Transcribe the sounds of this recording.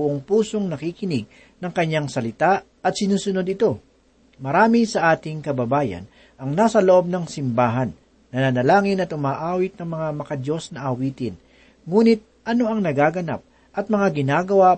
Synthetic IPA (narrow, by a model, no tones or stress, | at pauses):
ʊʔoŋpuːso̞ŋnɐkikɪnɪɡ̚ | nɐŋkɐɲːaŋsɐlɪt̪a | ɐt̪sɪnuːsʊno̞d̪ɪt̪o̞ | mɐɾaːmɪsɐʔaːt̪ɪŋkɐbɐbaːjɐ̰n | ʔɐŋnasɐloʔo̞b̚nɐŋsɪmbaːɦɐnː | ɐnanɐlaːŋɪnɐt̪ʔʊmaːʔaːwɪt̪̚nɐŋmɐŋamɐkɐd̪jo̞snɐʔɐwiːt̪ɪn | ŋuːnɪt̪̚ʔɐno̞ɐŋnɐɡaːɡɐna̰p̚ | ʔɐt̪̚mɐŋaɡɪnaːɡɐwa